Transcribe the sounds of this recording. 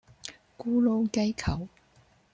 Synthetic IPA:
kuː˥lo˥wkɐ˥jkʰɐ˨˩w

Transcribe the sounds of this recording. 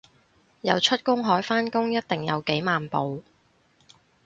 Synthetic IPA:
jɐ˨˧wt͡ʃʰɵ˥t̚kʊ˥ŋɦɔː˨˥jfaː˥nkʊ˥ŋjɐ˥t̚t̪ɪ˨˩ŋjɐ̰˨˧wke˨˥jmaː˨npo˨w

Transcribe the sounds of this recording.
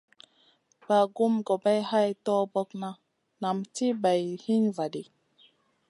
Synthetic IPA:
b̥a˨ɡu˦mɡo˨ba˦jha˦jtɔ˦bɔ˦kna˦ | na˨mti˦ba˨jhi˦ɲva˨di˨

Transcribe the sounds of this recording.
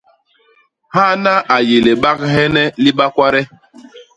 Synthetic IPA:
ha˦˨na˦ʔa˨je˨le˨ɓa˦kɦɛ˦nɛ˦li˦ɓa˦kʷwa˦ɾɛ˦

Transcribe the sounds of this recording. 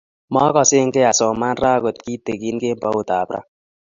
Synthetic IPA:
mɔ˦kɔ˨sɪ˦ŋ̩˦ke˦a˨sɔ˨ma˦n˦ɾa˦˨ɡo˨tki˦te˨ki˦n˦ke˦m̩˦pa˦u˦˨ta˨bɾa̰˦

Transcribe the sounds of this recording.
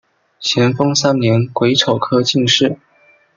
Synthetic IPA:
t͡ɕʰjɛ˧˥nfɤ˥ŋsa˥nnjɛ˧˥nkwe˧˥ɪʈ͡ʂʰo˨˩ʊkʰɤ˥t͡ɕi˥˧ŋʂɻ̩˥˩

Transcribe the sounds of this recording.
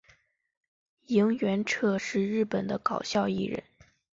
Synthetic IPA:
i˧˥ŋɥɛ˧˥nʈ͡ʂʰɤ˥˧ʂɻ̩˥˧ɻɻ̩˥˩pə˨˩nd̪ə˦kɑ˨˩ʊɕjɑ˥˧ʊḭ˥˩ɻə̰˧˥˦n

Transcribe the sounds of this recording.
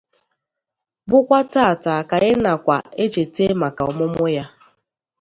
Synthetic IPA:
bʊ˦kʷa˦ta˦a˨ta˨ka˨ɣɪ˦na˨kʷa˨e˦t͡ʃe˨te˦ma˨ka˨ʊ̰˨mʊ˦mʊ˦ja˦

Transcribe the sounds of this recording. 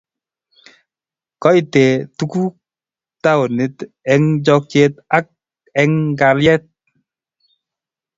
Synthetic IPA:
kɔ˦jte˨tu˦ku˦ | ta˦wo˨nɪ˨t | ɛ˦ŋd͡ʒɔ˧k̚t͡ʃe˧t̚a˦k̚ | ɛ˦ŋka˨ljɛ˦t̚

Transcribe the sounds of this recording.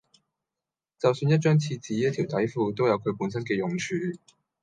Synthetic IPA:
t͡sɐ˨wsyː˧njɐ˥t̚t͡ʃœː˥ŋt͡sʰiː˧t͡siː˨˥jɐ˥t̪ʰi˨˩wt̪ɐ˨˥jfuː˧t̪o˥wjɐ˨˧wkʰɵ˨˧ɥpuː˨˥nsɐ˥nkɛː˧jʊ˨˩ŋt͡ʃʰyː˨˧

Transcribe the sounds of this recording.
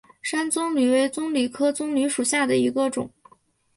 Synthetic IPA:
ʂa˥nt͡sʊ˥ŋly˨˩we˧˥ɪt͡sʊ˥ŋly˨˩kʰɤ˥t͡sʊ˥ŋly˧˥ʂu˨˩ɕja˥˩d̪ə˩i˧˥ɡə˧ʈ͡ʂʊ̰˨˩˦ŋ

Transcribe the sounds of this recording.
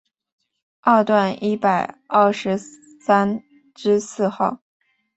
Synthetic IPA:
ɐ˥˧t̪wa˥˩ni˥pa˨˩ɪɐ˥˩ʂɻ̩˧˥ | sa˥n | ʈ͡ʂɻ̩˥sɹ̩˥˧xɑ˥˩ʊ

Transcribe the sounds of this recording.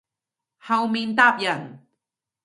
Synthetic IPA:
hɐ˧wmi˧˨nt̪a˥˨p̚jɐ˨n

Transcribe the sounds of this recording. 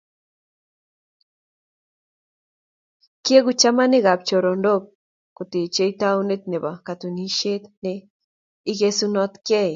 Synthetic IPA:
ki˦e˦ɣu˨t͡ʃa˦ma˦ne˦ɣa˨p̚t͡ʃo˨ɾo˨ndo˦k̚ | ko˨t̪e˨t͡ʃe˦jt̪a˦wne˦t̪̚ne˨βa˨kat̪u˨ni˦ʃe˦t̪ne | i˦ɣe˦sunɔ˦t̪kɛ˦j

